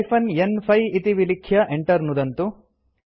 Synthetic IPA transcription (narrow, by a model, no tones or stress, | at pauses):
pʰɐnenpʰɐjit̪iʋilikʰjɐʔeɳʈɐɾnud̪ɐnt̪u